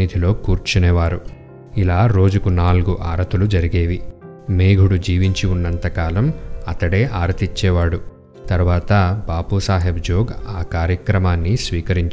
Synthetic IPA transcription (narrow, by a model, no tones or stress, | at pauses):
id̪ʱilo̞ːkuːɾt͡ʃunɛːʋaːɾu | ilaːɾo̞ːd͡ʒukunaːlɡuʔaːɾɐt̪ulud͡ʒɐɾiɡeːʋi | meːɡʱuɽud͡ʒiːʋiɲt͡ʃiunːɐnt̪ɐkaːlɐmɐt̪ɐɽe̞ːʔaːɾɐt̪it͡ʃːɛːʋaːɽu | t̪ɐɾuʋaːt̪ɐbaːpusaːɦebd͡ʒoːɡaːkaːɾjɐkɾɐmaːnːisʋiːkɐɾiɲt͡ʃ